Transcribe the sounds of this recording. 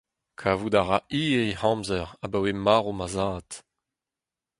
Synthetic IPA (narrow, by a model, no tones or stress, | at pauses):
kʰaːvudaʁaʔiːihɑ̃mzɛʁabawemaːʁomazaːt